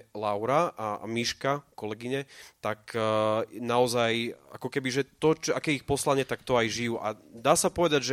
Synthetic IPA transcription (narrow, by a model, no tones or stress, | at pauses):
laʊɾaa̰miʃkakɔlɛɡiɲɛt̪ak | naɔzaja̰kɔkɛbiʒɛt̪ɔt͡ʃɔakɛːjɛixpɔslaɲɪɛt̪ak̚t̪ɔajʒijuːʔa̰d̪aːsapɔʋɛd̪aɟʒɛ